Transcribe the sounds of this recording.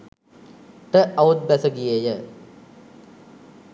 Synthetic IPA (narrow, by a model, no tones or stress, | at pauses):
ʈəʔɐut̪̚bæsəɡijejə